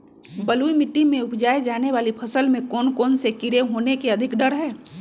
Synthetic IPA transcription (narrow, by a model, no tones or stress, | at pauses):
bəluimɪʈːɪmẽʊpd͡ʒaːed͡ʒaːneʋaːlipʰɐsəlmẽkɔːnkɔːnsekɪɾeɦoːnekeɐd̪ʱɪkɖəɾɦɛː